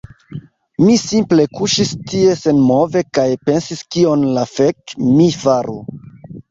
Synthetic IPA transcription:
misimple̞kuʃistie̞se̞nmo̞ve̞kajpe̞nsiskio̞nlafe̞kmifaɾu

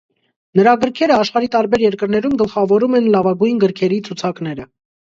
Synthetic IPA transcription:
nəɾɑɡəɾkʰɛɾəɑʃχɑɾit̪ɑɾbɛɾjɛɾkəɾnɛɾumɡəlχɑvɔɾumɛnlɑvɑɡujnɡəɾkʰɛɾit͡sʰut͡sʰɑknɛɾə

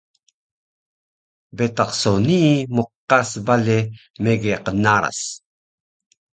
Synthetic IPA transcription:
bet̪ɑqsonimuqːasbale | meɡeqənaɾa̰s

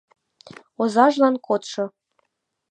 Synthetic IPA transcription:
ozɑʒlˠɑnkot̪ʂɤ̆

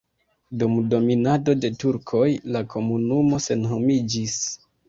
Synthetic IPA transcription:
dumdo̞minado̞de̞tuɾkʰo̞jlakʰo̞munumo̞se̞nɦo̞mid͡ʒis

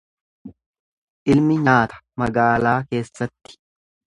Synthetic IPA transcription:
ʔɪlmɪɲaːt̪ɐ̥mɐɡaːlaːke̞ːsːɐt̪ːɪ̥

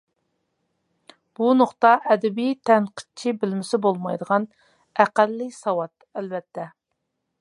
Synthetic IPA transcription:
b̥unoqt̪ɑʔɛd̪ɛbijt̪ʰɛnqʰə̥t͡ʃʰibɪlmɪsɪbolˠmɑjd̪əʁɑn | æqælːɪsɑwɑt̪ælbɛt̪ʰːɛ

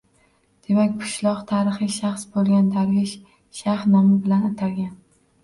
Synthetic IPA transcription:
d̪̥e̞makʲpʰʊ̥ʃlˠɒqt̪ʰaːɾɨχɨʃaχsbolˠɡʲand̪ʰaɾvɪʃ | ʃahnɒmɪbɪlanat̪ʰaɾɡʲan

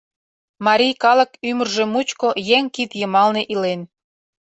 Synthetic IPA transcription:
mɑɾʲijkɑlə̆kymərʒemut͡ɕkojeŋkit̪jəmɑlneʔilen

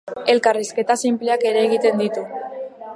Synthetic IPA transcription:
e̞lkariske̞t̪asimpleake̞ɾe̞ːɣ̞it̪e̞nd̪it̪u

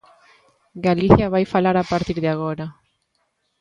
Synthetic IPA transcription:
ɡaliθjaβajfalaɾapaɾt̪iɾðeaɣ̞oɾa

